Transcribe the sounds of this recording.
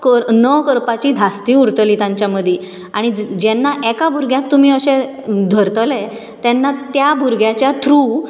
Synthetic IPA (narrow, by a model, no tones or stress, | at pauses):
kəɾnəkəɾpat͡ɕiːd̪ʱast̪iːuɾt̪əlit̪ãɲt͡ɕjaməd̪ʱje | aɽ̃id͡ʑɛnːaʔɛkabʱuɾɡjãt̪ːum̤iːəɕẽ | d̪ʱəɾt̪əlɛ | t̪ɛnːat̪jabʱuɾɡʱjat͡ɕjat̪ʰɾu